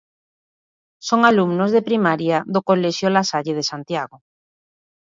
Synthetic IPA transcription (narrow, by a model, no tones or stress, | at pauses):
soŋalumnozðepɾimaɾjaðokoleʃjolasaʎeð̞esant̪jaɣo